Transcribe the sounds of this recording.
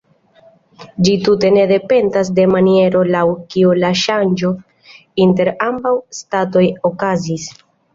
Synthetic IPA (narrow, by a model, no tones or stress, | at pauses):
d͡ʒitute̞ne̞de̞pe̞ndas̬de̞manie̞ɾo̞lawkiulaʃand͡ʒo̞ | inte̞ɾambawstato̞jo̞kazis